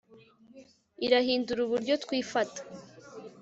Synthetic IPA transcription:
iɾahiːnduɾuβuɾɟo̞tkwiːfatḁ

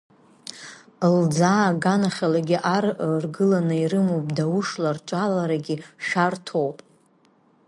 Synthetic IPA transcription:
ld͡zaːɡanaχʲalaɡʲiʔarrɡɨlanɨirɨmowpʼdawʊʂlart͡ʃʷʼalaɾaɡʲiʂartʰowpʼ

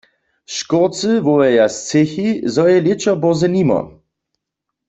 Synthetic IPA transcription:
ʃkɔʁt͡sɨvɔɛjast͡sexizɔjɛlet͡ʃɔbɔʁzɛnimɔ̰

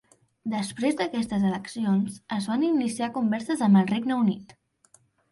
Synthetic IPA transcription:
d̪əspɾezd̪əkɛst̪əzələksionzəzβaninisiakumbɛɾsəzəmbəlˠreɡnəunḭt̪

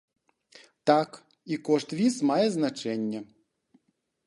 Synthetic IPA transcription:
t̪ak | ikoʂt̪ʋʲismɑjeznat͡ʃɛnʲːe

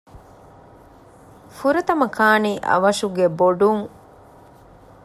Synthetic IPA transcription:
fuɾɐt̪ɐmɐkʰaːniːʔɐ̰ʋɐʃuɡeboɖuŋ

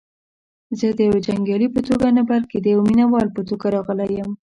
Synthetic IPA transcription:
zəd̪əjawed͡ʒaŋɡjɑlipət̪oɡanabalked̪əjawminawɑlpət̪oɡaɾɑɣəlajəm

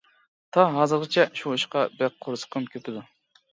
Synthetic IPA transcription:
t̪ʰɑɦɑːzɨɾʁɨt͡ʃʰɛʃuiʃqɑbɛk̚qʰoɾsə̥qʰəmkʲʰøpʰɪd̪u

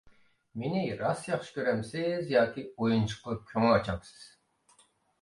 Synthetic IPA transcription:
meniɾɑsjɑχʃɨ̥kʲʰøɾɛmsizjɑːkʲiojunt͡ʃʰɨ̥qlˠɨp̚kʲʰøŋɑt͡ʃʰɑmsɨ̥z̥

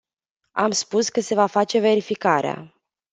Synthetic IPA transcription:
amspuskəse̞vafat͡ʃe̞ve̞ɾifikaɾea̰

